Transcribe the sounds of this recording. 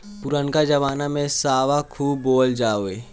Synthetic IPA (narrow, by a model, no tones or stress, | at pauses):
pʊɾənkad͡ʒɐʋaːnamẽsaːʋakʰuːbːoːld͡ʒaːoeː